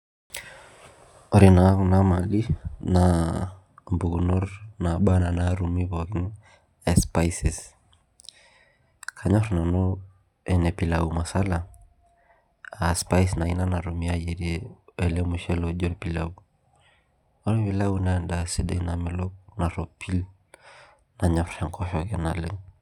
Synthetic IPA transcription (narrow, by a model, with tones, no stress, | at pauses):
ɔɾinanama˨li˦na | mbu˨ɣunɔ˦ɾnaɓana˨naɾumiβɔɣi˦ŋ | ɛspaisis | kʰaɲɔɾnanɔ | ɛnɛ˨pilauma˨sa˦la | aspa˦isna˨i˦na˦na˨ɾu˨miajɛ˨ɾiɛɛ˨lɛ˦mu˨ʃɛ˦lɔd͡ʒɔ˦ɾpi˨lau | ɔ˦n˦pi˨la˦unanda˨si˦dɛ̰˦na˨mɛ˨lɔ˦k̚na˨ɾɔpʰi˦l | na˨ɲɔfa˨ŋkɔ˦hɔkɛna˨le˦